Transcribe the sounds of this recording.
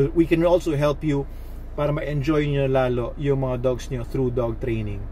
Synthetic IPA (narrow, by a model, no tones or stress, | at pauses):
wikɛ̃nʔolsowɦɛlpju | paːɾɐmɐɛnd͡ʒojɲolaːlo̞ʔjʊŋmɐŋad̪ɔɡsɲoθɾuːd̪ɔɡ̚t̪ɾejnɪ̃ŋ